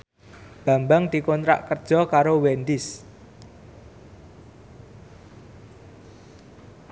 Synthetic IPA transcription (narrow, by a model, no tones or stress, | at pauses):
b̥a̤mbaŋd̪̥i̤kɔnt̪ɾa̰ʔkərd̥ʒ̥ɔ̤kaɾowɛnd̪ɪs